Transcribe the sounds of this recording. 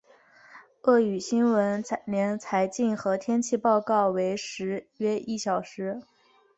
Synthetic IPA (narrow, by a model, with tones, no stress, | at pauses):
ɤ˥˩y˨˩ɕi˥nwə˧˥nnjɛ˧˥nt͡sʰa˧˥ɪt͡ɕi˥˩nxɤ˧˥t̪ʰjɛ˥nt͡ɕʰi˥˧pɑ˥˧ʊkɑ˥˩ʊwe˧˥ɪʂɻ̩˧˥ɥɛ˥ʔi˥˩ɕjɑ˨˩ʊʂɻ̩˧˥